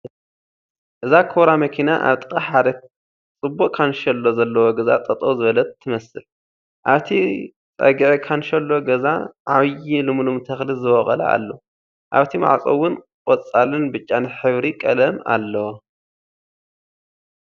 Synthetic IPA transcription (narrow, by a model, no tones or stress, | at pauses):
ʔɨzakʰoɾamɐkʰinaʔa̰βt̪ʼɨkʼaħad̪ɐ | t͡sʼɨbːuʔʼkʰanʃɐlːozɐlːɐwoɡɐza̰t̪ʼɐt̪ʼowzɨβɐlɐt̪ʰːɨmɐsɨl | ʔaβt̪ʰi | t͡sʼɐ̰ɡɨʕikʰanʃɐlːo̞ɡɐzaʕaβjilɨmlumt̪ʰɐxlizɨwɔχʼɐ̰lɐ̰a̰lːo | ʔaβt̪ʰima̰ʕt͡sʼɐwːʊn | kʼɔt͡sʼːalɨnbɨt͡ʃʼːanɨħɨβɾikʼɐlɐma̰lːɐwo